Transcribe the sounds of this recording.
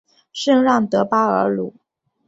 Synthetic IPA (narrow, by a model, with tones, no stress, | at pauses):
ʂɤ˥˧ŋɻɑ˥˩ŋt̪ɤ˧˥pa˥ə̰˞˧˥lu˥˩˦